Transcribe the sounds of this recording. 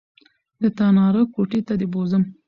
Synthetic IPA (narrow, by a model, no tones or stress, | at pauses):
d̪ət̪ɑnɑɾəkoʈet̪ad̪ebozəm